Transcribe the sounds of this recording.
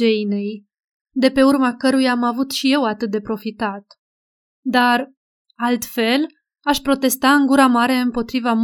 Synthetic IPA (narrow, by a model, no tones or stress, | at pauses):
ejne̞j | d̪e̞pe̞urmakəɾujaːmavut̪ʃije̞wat̪ɨt̪̚d̪e̞pɾo̞fit̪at̪ | d̪ar | alt̪fe̞l | aʃpɾo̞t̪e̞st̪aɨŋɡuɾamaɾe̞ɨmpo̞t̪ɾivam